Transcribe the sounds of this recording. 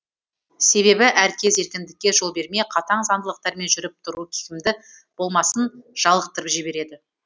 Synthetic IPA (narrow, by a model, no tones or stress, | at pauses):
se̞βe̞bɪʔæɾkʲʰe̞ze̞ɾkʲɪnd̪ɪkʲːe̞ʒo̞lˠbe̞ɾme̞qʰɑt̪ɑɴzɑnd̪əlˠəq̚t̪ɑɾme̞nʒʏɾɪp̚t̪ʰʊɾukʲʰɪ̥kʲɪmd̪ɪ | b̥o̞lˠmɑsənʒ̥ɑlˠəq̚t̪əɾəpʒɪbe̞ɾe̞d̪ɪ